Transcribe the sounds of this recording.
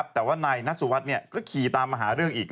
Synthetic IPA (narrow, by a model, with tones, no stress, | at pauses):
p̚t̪ɛː˨˩waː˥˩naː˧jna˦˥su˨˧˦wa˦˥t̪̚ni˥˩ɐkɔː˥˩kʰiː˨˧t̪aː˧mːa˧˩ɦaː˩˦ɾɯ˥˩əŋʔiː˨˩k̚